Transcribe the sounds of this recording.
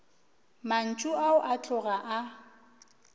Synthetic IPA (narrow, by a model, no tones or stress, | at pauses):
man̩t͡ʃʼʊaʊʔat͡ɬʼʊɣaʔa